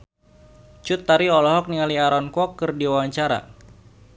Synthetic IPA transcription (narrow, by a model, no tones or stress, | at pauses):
t͡ʃut̪ːaɾiɔlɔɦɔk̚niŋaliaɾɔnkɔkːərdiwawaɲt͡ʃaɾa̰